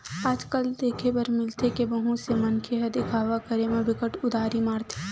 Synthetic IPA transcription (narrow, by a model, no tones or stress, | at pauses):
aːd͡ʒkəld̪eːkʰebɐɾmɪlt̪ʰekebəɦũsemɐnkʰeɦɐd̪ɪkʰaːʋakəɾemẽbɪkəʈʊd̪aːɾimaːɾt̪ʰe̥